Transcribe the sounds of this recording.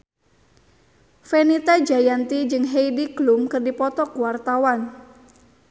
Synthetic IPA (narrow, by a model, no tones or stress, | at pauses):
fenit̪ad͡ʒajant̪id͡ʒɨŋɦejdiɡ̥lumkɨrdipɔt̪ɔkuwart̪awan